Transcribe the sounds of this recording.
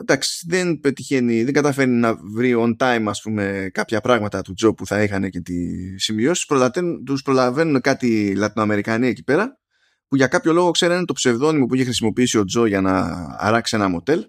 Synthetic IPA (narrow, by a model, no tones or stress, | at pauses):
d̪ɐksi̥ðe̞npe̞t̪içe̞niðe̞ŋɡɐt̪ɐfe̞ɾninɐvɾio̞nt̪ɐjmɐspume̞kɐpçɐpɾɐɣmɐt̪ɐt̪ud͡zo̞puθɐixɐne̞ce̞t̪ḭsimio̞si̥spɾolɐet̪uspɾo̞lɐve̞nune̞kɐt̪ilɐt̪inoɐme̞ɾikɐnie̞ci̥pe̞ɾɐ | puʝɐkɐpço̞lo̞ɣo̞kse̞ɾɐinet̪o̞pse̞vðo̞nimo̞puiçe̞xɾisimo̞piisio̞d͡zo̞ʝɐnɐ̰ːɾɐksie̞nɐmo̞t̪e̞l